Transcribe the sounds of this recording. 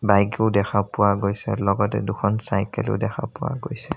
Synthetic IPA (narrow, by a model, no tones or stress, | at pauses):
bajɡeʊdɛxʰapʊwaɡojsɛlɔɡɔtɛ̰dʊkʰɔnsajkɛ̰lḭʊdɛxʰapʊwa̰ɡojsɛ